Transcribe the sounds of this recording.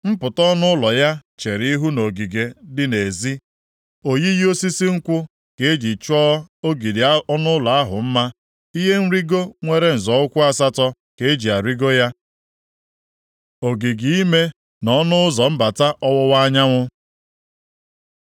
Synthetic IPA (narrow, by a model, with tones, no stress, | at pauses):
m̩˦pʊ˨tɔ˦nʊ˦lɔ˨ja˦t͡ʃe˨ɾi˦ɦu˦no˨ɡi˨ɡe˨dɪ˦ne˨zi˦ | o˨ji˦jo˦si˦si˦ŋ̩˦kʷʊ˦ | ke˨e˦d͡ʒi˨t͡ʃɔ˦o˦ɡi˨di˨˦nʊ˦ʊ˦lɔ˨a˦ɦʊ̰˨m̩˦ma˦ | i˦ɦe˦n̩˦ɾi˦ɡo˦ŋʷe˦ɾe˦n̩˨zɔ˨ʊ˦kʷʊ˦a˦sa˦tɔ˦ | ke˨e˦d͡ʒi˨a˨ɾi˦ɡo˦ja˦ | o˨ɡi˨ɡi˨i˦me˦ | nɔ˦nʊ˦ʊ˦zɔ˨m̩˦ba˨ta˦ʔɔ˦wʊ˦wa˦ɲa˦ŋʷʊ˦